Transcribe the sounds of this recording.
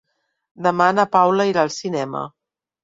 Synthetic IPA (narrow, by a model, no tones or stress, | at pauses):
d̪əmanəpawləiɾalˠsinɛmə̰